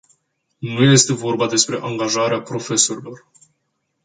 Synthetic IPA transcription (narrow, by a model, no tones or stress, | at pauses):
nuje̞st̪e̞vo̞rbad̪e̞spɾe̞ʔaŋɡaʒaɾeapɾo̞fe̞so̞ɾilo̞r